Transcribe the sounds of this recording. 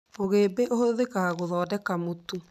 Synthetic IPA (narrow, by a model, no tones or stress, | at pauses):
oɣeːbeʔohoðekaɣɣoðɔːdɛkamotu